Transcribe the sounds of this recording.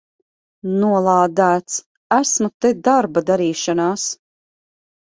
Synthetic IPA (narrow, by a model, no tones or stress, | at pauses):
nuɔlˠaːd̪æːt̪s | æsmut̪ɛd̪aɾbad̪aɾiːʃanaːs